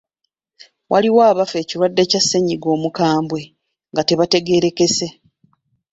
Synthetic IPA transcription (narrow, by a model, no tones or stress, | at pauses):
wʔaliwaːβafe̞ːciɾwadːe̞casːeɲiɡo̞ːmukaːmbwe̞ | ŋɡate̞βate̞ɡe̞ɾe̞ke̞se̞